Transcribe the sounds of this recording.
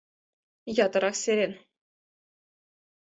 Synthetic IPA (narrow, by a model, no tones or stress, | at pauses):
jɑt̪ɤ̆ɾɑxsʲeɾʲenʲ